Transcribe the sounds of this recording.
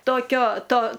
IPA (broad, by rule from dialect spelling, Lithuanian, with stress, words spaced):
toːˈkʲoː ˈtoː